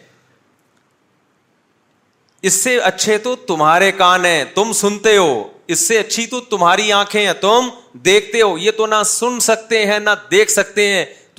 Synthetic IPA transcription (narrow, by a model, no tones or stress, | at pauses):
ɪsːeɐtːʃʰet̪ot̪ʊmɦaːɾekaːnɦɛ̃ːt̪ʊmsʊnt̪eɦoːɪsːeɐtːʃʰit̪ot̪ʊmɦaːɾiãːkʰẽɦɛ̃ːt̪ʊmd̪eːkʰt̪eɦoːjet̪onɐsʊnsɐk̚t̪eɦɛ̃nɐd̪eːkʰsɐk̚t̪eɦɛ̃ː